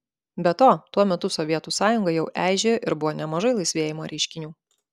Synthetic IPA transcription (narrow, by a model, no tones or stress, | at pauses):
bʲɛt̪oːt̪uɔmʲɛt̪ʊsɔʋʲiɛt̪uːsɑːjʊŋɡɐjɛʊʔæːˑɪʒʲeʔɪɾbʊʋoːnʲɛmɐʒɐɪlˠɐɪsʲʋʲeːjɪmoːɾʲɛɪʃʲkʲɪnʲuː